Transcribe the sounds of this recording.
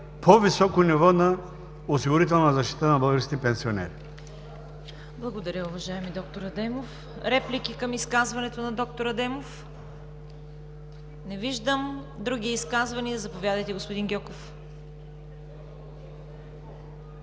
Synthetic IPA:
pʰovisɔkonivɔnɐ | osiɡʊɾit̪ɛlˠnɐzɐʃt̪i̥t̪ənɐbəlˠɡəɾskʲipɛnsionɛ̰ɾ | blˠɐɡod̪ɐɾʲəʊvɐʒaɛmid̪ɔk̚t̪oɾɐd̪ɛmof | ɾɛplik̟ikɐmiskazvɐnɛt̪onɐd̪ɔk̚t̪oɾɐd̪ɛmof | nɛviʒd̪əm | d̪ɾuɡ̟ʲiiskazvɐniɐzɐpovʲjad̪əjt̪ɛɡospod̪inɡʲɔkof

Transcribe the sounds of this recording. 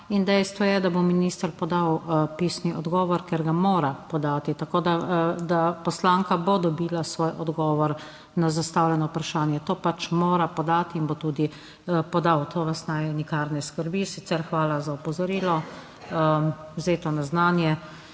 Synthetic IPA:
ind̪ɛjst̪ʋɔjɛd̪abominiːst̪əɾpɔd̪awpiːsniʔɔd̪ɡɔːʋɔɾkeɾɡamoːɾapɔd̪aːt̪it̪akoːd̪ad̪apɔslaːŋkabod̪ɔbiːlasʋoːjʔɔd̪ɡɔːʋɔɾ | nazast̪awlʲɛnɔupɾaʃaːnjɛt̪oːpat͡ʃmoːɾapɔd̪aːt̪iːnbot̪uːd̪i | pɔd̪awt̪ʰoːʋast̪naːjnikaːɾnɛskəɾbisisɛɾxʋaːlazaɔpɔzɔɾiːlɔ | wzeːt̪ɔnaznaːnjɛ

